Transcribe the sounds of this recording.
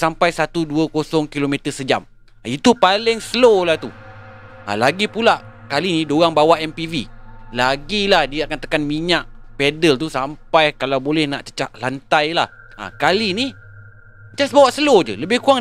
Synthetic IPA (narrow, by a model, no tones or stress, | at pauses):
sampajsat̪uduəkosɔŋkilomet̪əsəd͡ʒa̰m | it̪upalɪŋsəlolaht̪u | a̰laɡipulaʔkalinidoɣaŋbawaʔɛmpivilaɡilahdiəakant̪ə̥kanmiɲaʔ̚pɛdəlt̪usampajkalawbolɛhnaʔt͡ʃə̥t͡ʃaʔlant̪ajla̰h | a̰kalini | t͡ʃasbawaʔsəlod͡ʒə̰ləbɪhkuaŋ